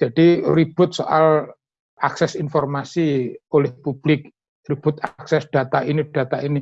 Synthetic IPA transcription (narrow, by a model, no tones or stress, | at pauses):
d̥d͡ʒ̥ad̥irib̥ʊt̪̚so̰ʔal | aksɛsinfɔrmasiolɛhpub̥lɪk̚ | rib̥ʊt̪̚aksɛsd̥a̤t̪ainid̥a̤t̪aini